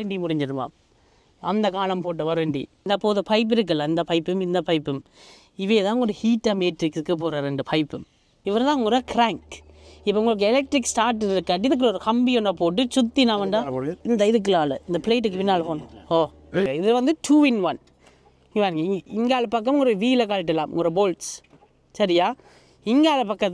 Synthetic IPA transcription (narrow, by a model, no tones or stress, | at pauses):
ɐɐɳɖimʊɽɪɲd͡ʒɐɾɯma̰ː | ɐnd̪ɐkaːlɐmpoːʈ̬ːɯʋɐɾɐɳɖḭd̪ɐpoːðɐpɐɪp̬ːɪɾɯk̬ːɐlːɐɪnd̪ɐpɐɪpːɯmɪnd̪ɐpɐɪpːɯm | ɪʋeːt̪ãːʊŋɡɐɽɯhiːʈːɐmeːʈɾɪkskːɯpoːɾɐɾɛɳɖɯpʰɐɪpːɯm | ɪʋɐɾt̪ãːʊŋɡɔɾɐkɪɾaːŋkɪpːoʊŋɡɐɭɯkːɛlɛk̚ʈɾɪkːsʈaːɾʈːɯɪɾɯkːɐʈ̬ːɪðɯk̬ːɯɾɐɔɾɯkɐmbɪjɔnːɐpoːʈ̬ːɯt͡ʃʊt̪ːinãːʋɐɳɖãːɪnd̪ɐɪðɯk̬ːɯlaːlɐɪnd̪ɐpɪleːʈ̬ːɯkːɯpɪnːaːlpoːnoː | ɐɪðɪlʋɐnd̪ɯʈʰuːɪnʋɐn | ɪŋɡɐʋaːnŋɡɐɪŋɡaːlɐpɐk̬ːɐmʊŋɡɔɾɐʋiːlɐk̬aːlɪʈ̬ːɛlaːmʔʊ̰ŋɡɔɾɐboːlʈs | sɐɾɪjaː | ɪŋɡaːlɐpɐkːɐð